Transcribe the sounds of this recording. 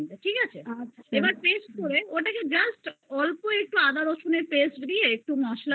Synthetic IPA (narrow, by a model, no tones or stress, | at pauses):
t̪aʈʰikat͡ɕʰeaebaɾpesʈ̚koɾeoʈaked͡ʑɐsʈɔlpoek̚ʈuad̪ʱaɾoʃoneɾpesʈd̪ieek̚ʈumaʃla